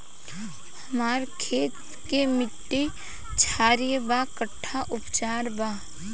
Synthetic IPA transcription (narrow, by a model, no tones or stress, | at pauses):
həmaːɾkʰeːt̪ | kemɪʈːe | t͡ʃʰaːɾijəbakəʈʰːaʔʊpt͡ʃaːɾbaː